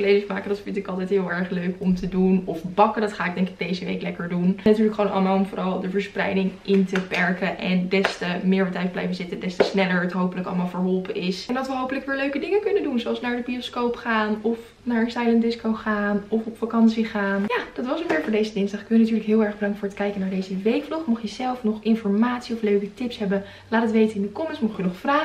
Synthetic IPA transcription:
lejdəsmaːkədɑtfɪntɪkɑlˠtɛjtɦɪːlˠɛɹχløɥkɔmtədunɔfbɑkədɑtχaːɪɡ̚dɛŋkɪ̥ɡ̚dejzəʋḛjklɛkəɹdunnatyːɹləkχəʋownʔɑ̰lˠəmaːlˠɔmvʊːrɑlˠdəvəɹsprɛ̰jdɪŋʔɪntəpɛɹkəʔɛndɛstəmɪːɹətɛjt̚blɛ̰jfənzɪtədɛstəsnɛləɹətɦowpələkɑ̰lˠəmaːlˠvəɹɦɔlˠpəɪsɛndɑtʋəɦowpələkʋɪːɹløɥkədɪŋəkɵnəndunzoɑlˠsnaːɹdəbioskowpχaːnɔf | naːɹəsajləndɪskowχaːnɔfɔpfakɑnsiχaːnjaːd̥ɑtʋɑsnomɪːɹvʊːɹdejzədɪnsdɑχɪ̥kʋɪnatyːɹləkɦɪːlˠɛɹχbədɑŋktfʊːɹətkɛjkənaːɹdejzəʋejkfluχmɔχjəzɛlˠfnɔχɪnfɔɹmaːtsiɔfløɥkətɪpsɦɛbən | laːtətʋejtənɪndəkɔmənsmɔχjənɔχfraː

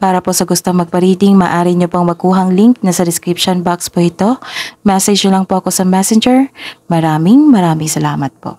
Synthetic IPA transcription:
paːɾɐpo̞sɐɡʊst̪oŋmɐɡ̚pɐɾiːd̪ɪŋmaːʔaːɾɪɲopoŋmɐkuːɦɐŋliŋk̚nɐsɐd̪ɪskɾipʃonbakspoʔɪt̪o̞mɛsɛd͡ʒɐlɐŋpoʔɐko̞sɐmɛsɛnd͡ʒɛɹmɐɾaːmɪŋmɐɾaːmɪŋsɐlaːmɐt̪̚po̰ʔ

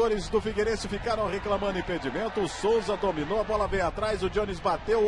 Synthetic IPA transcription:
oɾɪzd̪ʊfiɡeɾẽsɪfikaɾɐ̃w̃ʁeklɐ̃mɐ̃d̪ʊĩped͡ʒimẽnt̪ʊsowzɐd̪ominowɐbɔlɐbẽj̃at̪ɾajzʊd͡ʒõnizbat̪ew

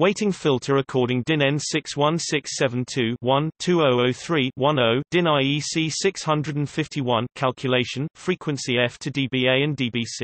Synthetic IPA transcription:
weɪtɪ̃ŋfɪlˠtʰəɹəkʰɔːɾɪ̃ŋdɪ̃nɛ̃nsɪkswʌ̃nsɪksɛvə̃ntʰʉːwʌ̃ntʰʉːəʊəʊθɹiːwʌ̃nəʊd̥ɪ̃naɪiːsiːsɪkshʌ̃ndɹədə̃nfɪftiwʌ̃nkʰalˠkʰjəleɪʃə̃nfɹiˑkʰwə̃nsiɛftʰədiːbiːeɪə̃ndiːbiːsi

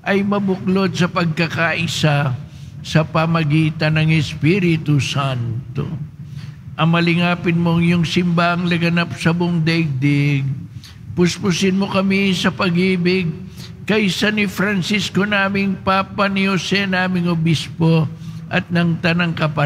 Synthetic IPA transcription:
ʔɐjmɐbʊklo̞d̪̚sɐpɐɡ̚kɐkaʔɪsa | sɐpɐmɐɡiːt̪ɐnːɐŋɛspiɾɪt̪ʊsant̪o̰ | ʔɐmɐlɪŋaːpɪnmo̞ŋjʊŋsɪmbaʔɐŋlɐɡɐnap̚sɐbʊŋd̪ɐʔɪɡ̚d̪ɛɡ̚ | pʊspʊsɪnmokɐmisɐpɐɡiːbɪɡ̚ | kɐjsɐnɪfɾɐnsisko̞naːmɪŋpapɐnɪhosɛnaːmɪŋhobispo̞ʔɐt̪̚nɐŋt̪ɐnɐŋkɐpɐ

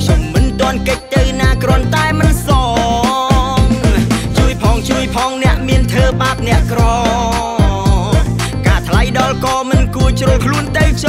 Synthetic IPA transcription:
kʰɲomːɨnt̪ŏənkəc̚t̪ɨwnaːkrŏənt̪aɛmɨnsɑ | ŋt͡ɕuəjpʰɑːŋt͡ɕuəjpʰɑːŋnɛ̆əʔmiənt̪ʰəːɓaːp̚nɛ̆əʔkrɑ | kaːt̪ʰlajɗɑlkɑːmɨnkuət͡ɕroːlkʰluənt̪ɨwʰ

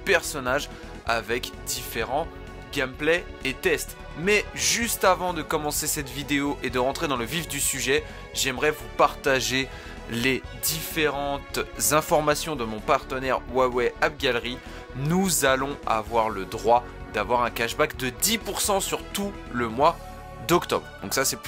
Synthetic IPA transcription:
pɛʁsɔnaʒ | a̰vɛkd̪ifeʁɑ̃ | ɡʲamplɛet̪ɛst̪ | mɛʒyst̪avɑ̃d̪əkɔmɑ̃sesɛt̪vid̪eoʔed̪əʁɑ̃t̪χed̪ɑ̃ləvifd̪ysyʒɛ | ʒɛmʁɛvupaʁt̪aʒe | led̪ifeʁɑ̃t̪zɛ̃fɔʁmasjɔ̃d̪əmɔ̃paʁt̪ənɛʁwawɛap̚ɡʲalʁi | nuzalɔ̃a̰vwaʁləd̪ʁwa | d̪avwaʁɛ̃kaʃbakd̪əd̪ipuʁsɑ̃syʁt̪u | ləmwa | d̪ɔkt̪ɔ̰bʁd̪ɔ̃ksasɛ

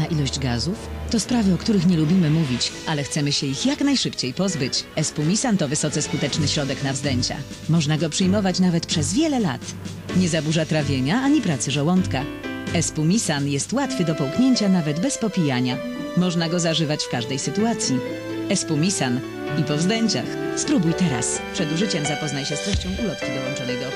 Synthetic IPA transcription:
naʔilɔʑd͡ʑɡazuft̪ɔspɾavɘɔkt̪uɾɘxɲɛlubʲimɘmuvʲit͡ɕʔalɛxt̪sɛmɘɕɛixjaknajʂɘpt͡ɕejpɔzbɘt͡ɕɛspumʲisant̪ɔvɘsɔt̪sɛskut̪ɛt͡ʂnɘɕɾɔd̪ɛknavzd̪ɛɲt͡ɕa̰ | mɔʐnaɡɔpʂɘjmɔvat͡ɕnavɛt̪pʂɛzvʲjɛlɛla̰t̪ | ɲɛzabuʐat̪ɾavʲjeɲaaɲipɾat̪sɘʐɔwɔnt̪ka | ɛspumʲisanjɛst̪wat̪fɘd̪ɔpɔwkɲeɲt͡ɕanavɛd̪bɛspɔpʲijaɲa | mɔʐnaɡɔzaʐɘvat͡ɕfkaʐd̪ɛjsɘt̪uat̪sʲji | ɛspumʲisan | ipɔvzd̪ɛɲt͡ɕa̰xspɾubujt̪ɛɾa̰spʂɛd̪uʐɘt͡ɕɛmzapɔznajɕɛst̪ɾɛɕt͡ɕɔ̃w̃ʔulɔt̪kʲid̪ɔwɔnt͡ʂɔnɛjd̪ɔ

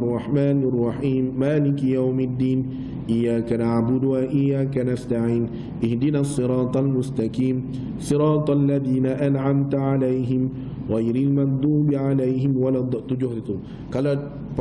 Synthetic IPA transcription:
rˤːɑħmaːnɑrˤːɑħiːmːaːlɪkjawmad̪ːiːn | ʔɪjːaːkanaʕbʊd̪ʊhaʔɪjːaːkanast̪aʕiːn | ʔɪhd̪ɪnaːsˤːɨɾɑːt̪ˤalmʊst̪akiːm | sˤɨɾɑːt̪ˤʔalːaðiːnaʔanʕamt̪ʕalajɦɪm | ɣajɾɪlmɑnd̪ˤuːbɪʕalajɦɪmwalaːd̪ˤɑʔt̪ʊd͡ʒʊhd̪aʊ | qɑla

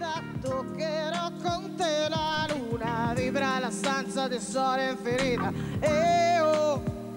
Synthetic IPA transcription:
t̪ant̪okːeɾɔkːont̪elalunavibɾalast̪ant̪sad̪esɔɾeɱfeɾiːt̪aeo

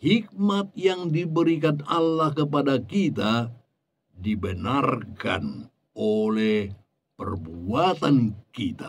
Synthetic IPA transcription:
hik̚mat̪̚jaŋdibəɾikanalːahkəp̬adakit̪a | dibənarka̰n | olɛh | pə̰rbuat̪ankit̪a

